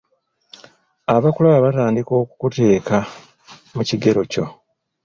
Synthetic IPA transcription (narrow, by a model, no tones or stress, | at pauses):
aβakulaβaβataːndiko̞ːku̥kute̞ːka | muciɡe̞ɾo̞co̞̰